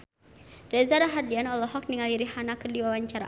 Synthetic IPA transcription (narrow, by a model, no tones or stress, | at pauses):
rɛzaɾaɦardianɔlɔɦɔk̚niŋaliɾihanakərdiwawaɲt͡ʃaɾa̰